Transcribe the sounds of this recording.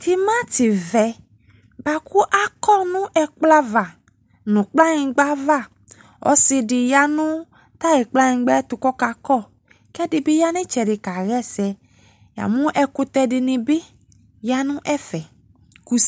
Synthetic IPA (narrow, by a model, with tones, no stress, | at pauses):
t̪ʰi˦mã˦tɪ˨vɛ˨ | ba˨ku˦ʔa˦kɔ˦˨nʊ̃˦ʔɛ˨k͡pla˦va˨ | nũ˨k͡pla˦ɲĩ˨ɡ͡ba˦va˦˨ | ɔ̰˦sɪ˧dɪ˨ja˦nʊ̃˦ | t̪a˦ɣɪ˨k͡pla˦ɲĩ˨ɡ͡bɛ˦ɛ˦t̪ʊ˨kɔ˦ka˨kɔ˦˨ | kɛ˦dɪ˨bɪ˦ja˦nɪ̃˦t͡ʃɛ˨dɪ˨ka˨ɣɛ˦sɛ˨ | ja̰˨mũ˦ʔɛ˨kʊ˦t̪ɛ˧dɪ˨nɪ̃˨bɪ˦ | ja˦nʊ̃˦ʔɛ˦fɛ˨ | ku˦